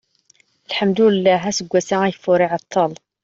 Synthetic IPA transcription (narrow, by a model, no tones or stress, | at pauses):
əlħəmd̪uəlːæɦæsəɡʷːæsææjəfːʊɾiʕɑt̪ʰˤːɑl